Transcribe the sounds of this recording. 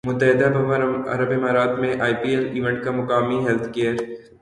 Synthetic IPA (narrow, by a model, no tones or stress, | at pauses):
mʊt̪ːəɦɪd̪abɐʋaɾɐ̰ɾəbɪmaːɾaːt̪mẽʔaːipiːɛliːʋɛ̃ɳʈ̚kamʊkaːmiɦɛlt̪ʰkeːəɾ